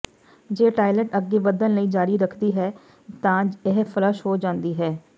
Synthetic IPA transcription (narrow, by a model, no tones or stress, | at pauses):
d͡ʒeːʈaːɪləʈəɡːeːbəd̪ənləiːd͡ʒaːɾiːɾəkʰd̪iːɦɛː | t̪ãːɪɦpʰələʃɦoːd͡ʒãːnd̪iːɦɛː